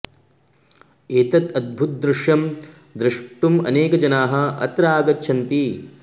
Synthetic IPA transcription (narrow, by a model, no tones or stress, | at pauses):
eːt̪ɐt̪ɐd̪̚bʱut̪̚d̪ɾɪʂjɐm | d̪ɾɪʂʈumɐ̰neːkɐd͡ʒɐnaːɦɐ̆ɐ̰t̪ɾaːɡɐtːʃʰɐnt̪i